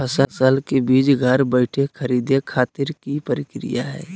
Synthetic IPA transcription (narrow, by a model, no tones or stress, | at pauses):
əsəsəlkebiːd͡ʒɡʱəɾbəɪʈʰekʰəɾiːd̪ekʰaːt̪ɪɾkipəɾɪkɾḭjaɦɛ̰ː